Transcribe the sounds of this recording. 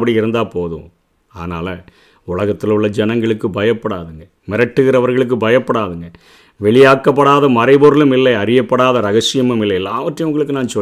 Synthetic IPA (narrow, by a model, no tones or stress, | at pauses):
pːɐɽiɪɾɯnd̪aːpoːðṵ̃ | aːðnaːlɐ | ʊɭɐɣɐt̪ːɪlʊɭːɐd͡ʒɛnɐŋɡɐɭɯkːɯbɐjɐpːɐɽaːðɯŋɡɐ | mɪɾɐʈːɯɣɪɾɐʋɐɾɣɐɭɯk̬ːɯbɐjɐpːɐɽaːðɯŋɡɐ | ʋɛɭɪjaːkːɐpːɐɽaːðɐmɐɾɐɪboɾɯlɯmɪlːɐɪɐɾɪjɐpːɐɽaːðɐɾɐɣɐsɪjɐmɯmɪlːɐɪɛlːaːʋɐʈrɐjɐʊŋɡɐɭɯkːɯnaːnsɔ